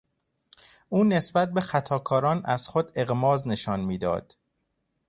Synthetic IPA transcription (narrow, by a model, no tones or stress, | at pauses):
uːne̞sbæt̪̚be̞xæt̪ʰɒːkʰɒːɾɒːnæz̥xod̪e̞ɣmɒːzne̞ʃɒːnmiːd̪ɒ̰ːd̪̥